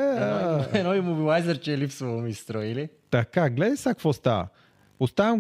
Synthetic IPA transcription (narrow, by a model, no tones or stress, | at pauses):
ɛnɔimobilˠajzəɾt͡ʃɛːlifsvoomist̪ɾɔilit̪akaɡlɛd̪isakvɔst̪a̰vɐ̰ | ost̪avɐm